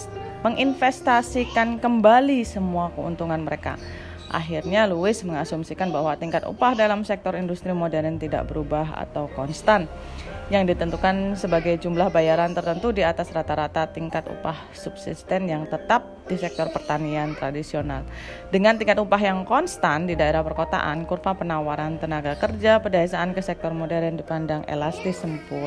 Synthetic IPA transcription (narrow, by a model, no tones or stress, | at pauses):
məŋʔinfɛst̪asikankəmbalisəmuakəṵnt̪uŋanməɾeka̰ | ʔa̰ɦirɲaluɪsməŋasumsikanbahwat̪iŋkat̪ṵpahdalamsɛk̚t̪ɔɾindust̪ɾimodɛɾɛnt̪ida̰ʔbəɾubaɦa̰t̪awkɔnst̪an | jaŋdit̪ənt̪ukansəbaɡajd͡ʒumlahbajaɾant̪ərt̪ənt̪udiat̪asrat̪aɾat̪at̪iŋkat̪ṵpah | sub̥sḭst̪ɛnjaŋt̪ət̪ap̚disɛk̚t̪ɔrpərt̪aniant̪ɾadisiona̰l | dəŋant̪iŋkat̪upaɦjaŋkɔnst̪andidaeɾahpərkot̪a̰ʔa̰nkurfapənawaɾant̪ənaɡakərd͡ʒapərdaesaʔankəsɛk̚t̪ɔrmodɛɾandipandaŋḛlast̪ɪsəmpʊ